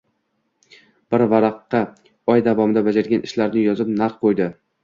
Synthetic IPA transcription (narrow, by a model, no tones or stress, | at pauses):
b̥ɪɾvaɾɑqːɑ | ɒjd̪avɒmɪd̪abad͡ʒaɾɡʲanɪʃlaɾnɪjɒzɪp̚naɾqqʰojd̪ɪ